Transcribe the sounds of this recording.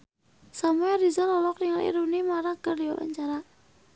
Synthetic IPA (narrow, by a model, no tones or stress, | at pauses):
samuɛɾizalɔlɔk̚niŋalḭɾunimaɾakərdiwa̰wa̰ɲt͡ʃaɾa